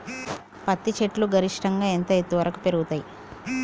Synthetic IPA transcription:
pɐt̪ːit͡ʃeʈluɡɐɾiʂʈɐŋɡaːent̪ɐet̪ːuʋɐɾɐku̥peɾuɡut̪aːji

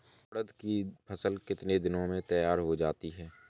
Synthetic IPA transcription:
ɽəd̪kipʰəsəlkɪt̪ned̪ɪnõmẽt̪ɐjaːɾɦod͡ʒaːt̪iɦɛː

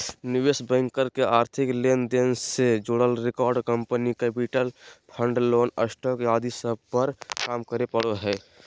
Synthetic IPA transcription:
nɪwesbɛ̃ŋkəɾkeʔaːɾt̪ʰiklend̪ensed͡ʒoɽəlɾekɔːɾɖkəmpənikɛpiʈəlpʰəɳɖloːnə̰sʈɔkjad̪isəb̚pəɾkaːmkəɾepəɽoɦɛː

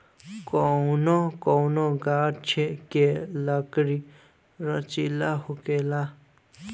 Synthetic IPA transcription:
kɔwnɔkɔwnoɡaʈt͡ʃʰekelʌkɾi | ɾʌt͡ʃilaɦukela

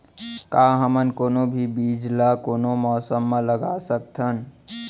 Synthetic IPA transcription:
kaɦəmənkoːnobʱibid͡ʒlakoːnomɔːsəmːẽləɡasək̚t̪ʰən

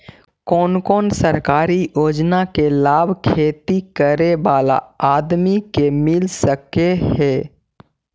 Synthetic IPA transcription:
kɔːnkɔːnsəɾkaːɾijoːd͡ʒnakelaːbʱkʰeːt̪ikəɾeʋaːla̰aːd̪mikemɪlsəkehɛː

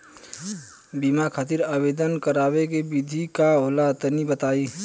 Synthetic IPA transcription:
bimakʰaːt̪̬iɾaːbeːd̪ənkəɾaːwekebɪd̪ʱikaɦoːlat̪ənibət̪aːiː

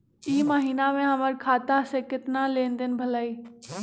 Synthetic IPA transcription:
iːmaɦiːnamẽɦɐməɾkʰaːt̪asẽkɪt̪nalẽːnd̪ɪnɪ̆bʱɐlaːiː

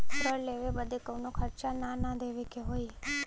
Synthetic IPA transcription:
t̪əɾleʋebəd̪ʱekəwnokʰəɾt͡ʃananad̪ʱeʋekeɦoi

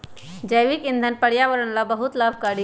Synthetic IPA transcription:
d͡ʒəjʋikɪ̃nd̪ʱənpəɽjaʋəɾənlabəɦut̪laːbʱkaɽi

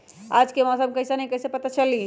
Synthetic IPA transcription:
ad͡ʒkemɔsəmkəjsenɐĩkəjsepət̪at͡ʃəli

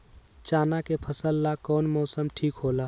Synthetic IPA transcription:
t͡ʃaːnakepʰəsəlːakɔːnmɔːsəmʈʰiːkɦoːlaː

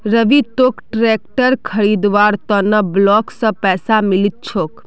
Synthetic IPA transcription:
ɾəʋit̪okʈɾek̚ʈəɾkʰəɾid̪ʋaɾt̪ɔnəblɔksə̃pɛːsamilit̪̚t͡ʃʰok

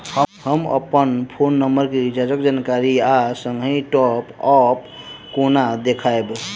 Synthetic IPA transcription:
həhəmə̰pənpʰonːəmbəɾkeid͡ʒad͡ʒəkd͡ʒankaɾiasəŋɡɦĩʈɔpɔp | konad̪ekʰaeb

